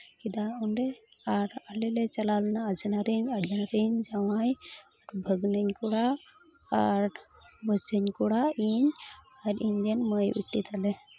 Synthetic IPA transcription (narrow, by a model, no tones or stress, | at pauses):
kid̪aɔɳɖe | aɾalelet͡ʃɐlalnaːd͡ʒənaɾiɲad͡ʒanaɾiɲd͡ʒawajaɾbʱəɡnəɲkuɽaː | ɾ | bət͡ʃəɲkuɽaiɲ | aɾiɲd̪enməjṵʈːit̪alɛ